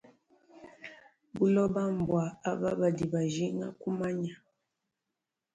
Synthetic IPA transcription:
bu˦lɔ˦ba˦m˨bwa˨a˦ba˦ba˨di˨ba˨ʒi˦ŋa̰˦ku˦ma˦ɲa˨

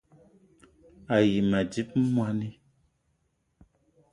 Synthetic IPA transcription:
a˨ji˨ma˨di˦p̚m̩˦mwa˦ni˦

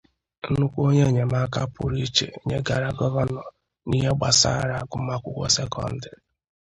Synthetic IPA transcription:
n̩˦nʊ˦kʷo˦ɲe˦˨ɲe˨ma˦ka˦pʊ˨ɾi˦t͡ʃḛ˨ɲe˦ɡa˨ɾa˨ɡɔ˦ɣɔ˦nɔ˨ | ni˦ɦe˦ɡ͡ba˨sa̰ː˦˨ɾa˨ɡʊ˦ma˦kʷʊ˦kʷɔ̰˦se˦kɔ̰˦n̩˦dɪ˨

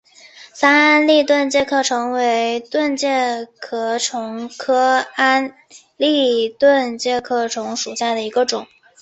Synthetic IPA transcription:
sa˥na˥nli˥˧t̪wə˥˧nt͡ɕjɛ˥˧kʰɤ˥˩ʈ͡ʂʰɤ˧˥ŋwe˧˥ɪt̪wə˥˧nt͡ɕjɛ˥˩kʰɤ˧˥˩ʈ͡ʂʰʊ˧˥ŋkʰɤ˥a˥n | li˥˧t̪wə˥˧nt͡ɕjɛ˥˧kʰɤ˥˩ʈ͡ʂʰʊ˧˥ŋʂu˨˩ɕja˥˩d̪ə˩i˧˥ɡə˧ʈ͡ʂʊ˨˩˦ŋ

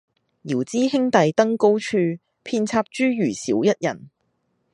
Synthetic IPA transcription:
jiː˨˩wt͡siː˥hɪ˥ŋt̪ɐ˨jt̪ɐ˥ŋko˥wt͡ʃʰyː˧ | pʰiː˧nt͡sʰaː˧p̚t͡ʃyː˥jyː˨˩siː˨˥wjɐ˥t̚jɐ˨˩n

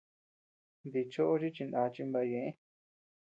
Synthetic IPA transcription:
nd̪i˧t͡ʃo˦ʔo˦ʐi˦t͡ʃi˧nd̪ã˨˧t͡ʃi˧mba˧jẽ˨ʔẽ˦

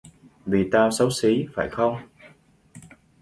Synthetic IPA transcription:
vi˨˩t̪aː˧wsə˨˦wsi˨˦faː˧˩jxə˧wŋ͡m

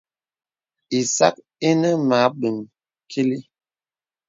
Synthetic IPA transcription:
i˨sa̰˦k̚ | e˦nə˦ma˨˦ɓə˨m | kʰi˦li˦

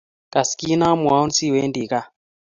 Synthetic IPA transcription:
ka˨ski˦na˦mu˨a˨˦u˦nsi˦˨we˦ndi˨ka˦˨

